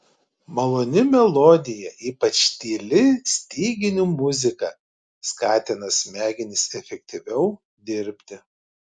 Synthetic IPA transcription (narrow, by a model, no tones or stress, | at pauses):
mɐlˠoːnʲɪmʲɛlˠɔd̪ʲɪjɛʔiːpɐt͡ʃt̪ʲiːlʲɪsʲt̪ʲiːɡʲɪnʲumʊzʲɪkɐ | skɑːt̪ʲɪnɐsmʲæːɡʲɪnʲɪsɛfʲɛk̚ʲt̪ʲiʋʲɛʊ | d̪ʲɪɾʲpʲt̪ʲɪ